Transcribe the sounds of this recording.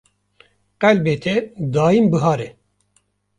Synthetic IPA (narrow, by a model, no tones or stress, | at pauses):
qɛlbeːt̪ʰɛd̪aːjimbɨɦɑːɾɛ